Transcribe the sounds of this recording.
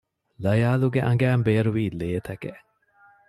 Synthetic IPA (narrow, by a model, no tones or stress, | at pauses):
lɐjaːluɡeʔɐŋɡæːmbeːɾuʋiːleːt̪ɐkḛʔ